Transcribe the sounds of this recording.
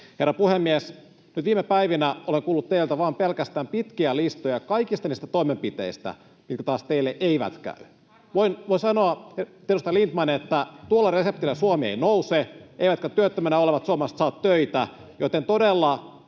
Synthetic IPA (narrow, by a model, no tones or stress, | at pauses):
herːɑpuhemːies | nyt̪ʋiːmepæiʋinæʔoleŋkuːlːut̪t̪eilt̪æʋɑːmpelkæst̪æːmpit̪kiælist̪ojɑkɑikist̪ɑniːst̪æt̪oimempit̪ḛist̪æ̰ | mit̪̚kæt̪ɑːst̪eilːeʔeiʋæ̰t̪kæ̰y | ʋoinʋoisɑnoɑt̪edust̪ɑlint̪mɑnet̪ːæt̪uolːɑresep̚t̪ilːæsuomiḛinouseeiʋæt̪kæt̪yøt̪ːømænæoleʋɑt̪suomest̪sɑːt̪tøit̪æ | jot̪ent̪odelːɑ